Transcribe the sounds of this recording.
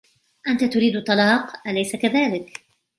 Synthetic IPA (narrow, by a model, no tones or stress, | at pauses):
ʔant̪at̪ʊɾiːd̪t̪ˤːɑlɑːqʔalajsakaðaːlɪk